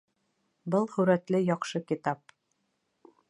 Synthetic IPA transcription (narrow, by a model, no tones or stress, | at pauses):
bɤlˠhɵ̆ɾæt̪lɘjɑqʃɤkit̪ɑp̚